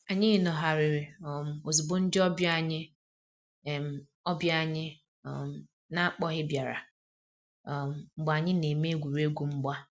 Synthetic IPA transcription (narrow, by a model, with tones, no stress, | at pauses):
a˨ɲɪ˦ɪ˦nɔ˨ɦa˨ɾɪ˨ɾɪ˨ɔ˨m̩˨o˨zu˨bo˦n̩˦dɪ˦ɔ˦bja˦˨ɲɪ˦˨ | m̩˨ | ɔ˦bja˦ɲɪ˦ | ɔ˨m̩˦ | na˦a˦k͡pɔ˦ɦɪ˦bja˨ɾa̰˨ | m̩˨ŋ͡m̩˨ɡ͡ba˨ɲɪ˦ne˨me˦ɡʷu˨ɾe˦ɡʷu˨ŋ͡m̩˦ɡ͡ba˦